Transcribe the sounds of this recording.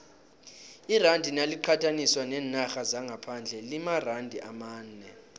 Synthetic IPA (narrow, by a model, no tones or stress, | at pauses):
irandʱinaliǃʰatʰaniswanɛːnaxazaŋɡʱapʰand͡ɮʱɛlimarandʱiʔamaːnɛ